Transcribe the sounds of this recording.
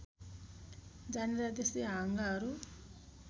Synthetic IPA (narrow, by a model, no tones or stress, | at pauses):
d͡ʒanɾad̪esiaŋɡaɾu